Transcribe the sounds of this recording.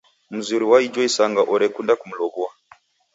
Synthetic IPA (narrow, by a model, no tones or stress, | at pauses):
muzuɾiwaid͡ʒɔisaŋɡaʔɔɾɛkundakumulɔβua